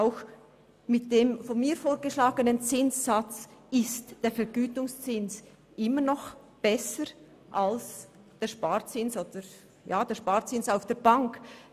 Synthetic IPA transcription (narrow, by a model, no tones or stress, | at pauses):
aʊx | mɪt̚d̥eːmfɔnmiːɾfoːɾɡəʃlaːɡənənt͡sɪnsːat͡sɪstd̥eːɐfɛɡyːtʊŋst͡sɪns | ʔɪmənɔx | b̥ɛsəɾ | ʔals | d̥eːʃpaːɾt͡sɪnsoːd̥əɾ | jaːd̥eːʃpaːɾt͡sɪnsaʊfd̥eːɐbaŋk